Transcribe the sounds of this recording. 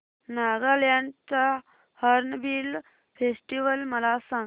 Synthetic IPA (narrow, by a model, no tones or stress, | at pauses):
naɡaljãnt͡sa | həɾnbil | fʰesʈiʋəlməlasã